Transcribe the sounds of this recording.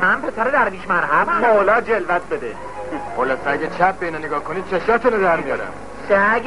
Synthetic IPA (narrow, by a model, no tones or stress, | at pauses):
mænpʰe̞sæɾed̪æɾbiːʃmæɾɦæbmolɒːd͡ʒelvæt̪̚ʰbed̪ḛ | χolɒːseæɟʲæt͡ʃʰæp̚beiːnɒneɡɒːhkʰoniːd̪̚t͡ʃʰeʃɒːt̪ʰunod̪æɾmijɒ̰ːɾæ̰m | ʃæ